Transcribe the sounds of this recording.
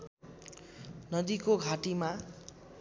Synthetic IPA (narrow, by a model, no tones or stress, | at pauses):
nʌd̪ikoɡʱaʈima